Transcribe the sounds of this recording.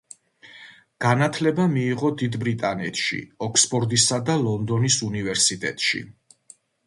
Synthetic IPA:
ɡ̥anat̪ʰlɛbamiːʁɔd̪id̪bɾit̪ʼanɛt̪ʰʃḭɔkʰspʼɔɾd̪isad̪alˠɔnd̪ɔnisunivɛɾsit̪ʼɛ̰t̪ʼʃḭ

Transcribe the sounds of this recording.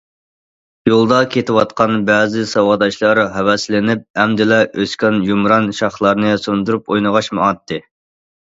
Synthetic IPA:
jolˠd̪ɑkʲʰet̪ʰɪwɑt̪̚qɑnbɛzɪsɑwɑd̪ɑʃlˠɑɾɦɛwɛslɪnɪp̚ɛmd̪ɪlɛʔøskʲɛnjumɾɑnʃɑχlˠɑɾnɨsund̪uɾupojnəʁɑʃmuɑt̪ːɨ

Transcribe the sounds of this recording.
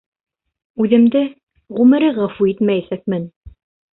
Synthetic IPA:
ʉðɘ̆md̪ɘ | ʁʉmɘ̆ɾɘʁɑfuit̪mæjæsæk̚mɘn

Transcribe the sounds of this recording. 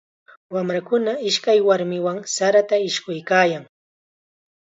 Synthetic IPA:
wamɾakʊnaɪʃkajwaɾmɪwaŋsaɾat̪aɪʃkʊjkaːjaŋ

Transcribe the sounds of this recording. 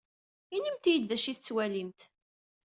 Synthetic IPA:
inimt̪jəd̪ðæʃiθət͡sːwælimt̪

